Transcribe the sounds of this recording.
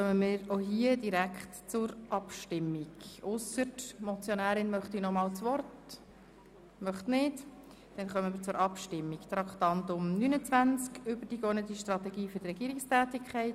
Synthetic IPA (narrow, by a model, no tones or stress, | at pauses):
χœmənmiːɾoɦiədiɾækχtt͡sʊɾʔɑpʃtɪmːɪɡʊsətmɔt͡sjonæːɾɪnmœχtinɔmɑːlt͡sʋɔrt | mœχtnɪd | d̥ɛnχœmənmiːɾt͡sʊɾʔɑpʃtɪmːikt̪ɾɑkχt̪ɑnt̪ʊmnynət͡sʋænt͡skʏbəɾd̥iɡɔnət̪iʃtɾɑt̪ɛɡiːfʏɾdɾɛɡ̥iːɾɪkstæːtikʰχɛɪt